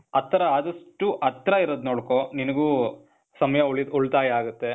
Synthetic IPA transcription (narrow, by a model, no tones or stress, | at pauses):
ɐt̪ːɐɾɐaːd̪ɐsʈːuʔɐt̪ːɾɐiɾod̪noːɽkoninɐɡuː | sɐmɐjɐɭuɭt̪aːjɐaːɡut̪ːe̞